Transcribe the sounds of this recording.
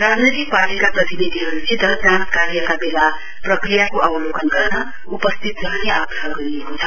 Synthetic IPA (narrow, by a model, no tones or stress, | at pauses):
rad͡znijt̪ik̚paʈikaprʌt̪ibid̪ʱiɦʌɾut͡sẽd̪ʱʌd̪ãnt̪kaɾjʌkabela | prʌkrijakoʔʌwlokʌnɡʌrnʌ | upʌst̪ʰit̪rʌɦneaɡaɦʌɡʌɾijekot͡sʰʌ̥